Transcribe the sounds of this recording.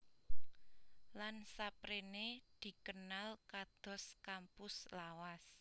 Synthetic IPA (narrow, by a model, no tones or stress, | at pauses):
lansapɾened̪̥i̤kənalkad̪̥ɔ̤skampʊslawas